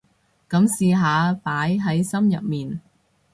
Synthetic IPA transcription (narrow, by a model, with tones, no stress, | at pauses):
kɐ˨˥msiː˧ɦaː˨˧paː˨˥jɦɐ˨˥jsɐ˥mjɐ̰˨p̚miː˨n